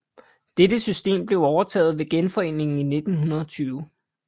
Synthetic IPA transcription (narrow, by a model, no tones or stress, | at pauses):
d̥edəsysd̥e̝̰ːmb̥le̝ʊɒʊɐt͡sʰɛ̰ːð̩ˠʋe̝ɡ̥enfɒ̽e̝ːne̝ŋn̩ine̝d̥n̩ɦunɐð̞̩ˠɒ̽t͡sʰyːʊ